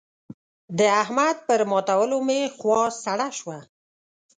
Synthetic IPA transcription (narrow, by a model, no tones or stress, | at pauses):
d̪əahmad̪̚pəɾmɑt̪awəlomexwɑsaɽaʃwa